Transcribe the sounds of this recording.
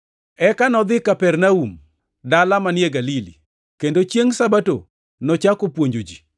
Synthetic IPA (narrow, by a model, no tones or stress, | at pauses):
ɛkanɔd̪ɪkapɛrnaum | dalamanjeɡalili | kendot͡ʃjeŋsabato̰ | nɔt͡ʃakopwoɲd͡ʒod͡ʒi